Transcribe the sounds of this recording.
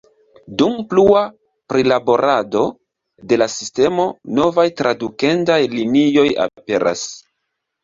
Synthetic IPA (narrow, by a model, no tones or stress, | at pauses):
dumplua | pɾilabo̞ɾʔado̞ | de̞lasiste̞mo̞no̞vajtɾʔadukentajlinio̞ja̰pe̞ɾʔa̰s